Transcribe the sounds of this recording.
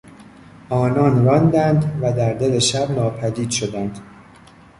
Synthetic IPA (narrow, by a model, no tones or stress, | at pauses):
ʔɒːnɒːnrɒːnd̪ænd̪væd̪æɾd̪e̞le̞ʃæbnɒːpʰæd̪iːd̪̥ʃo̞d̪ænd̪